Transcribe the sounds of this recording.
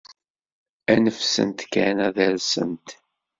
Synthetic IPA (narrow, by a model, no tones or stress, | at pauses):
ænəfsə̰nt̪kænæðæɾsə̰nt̪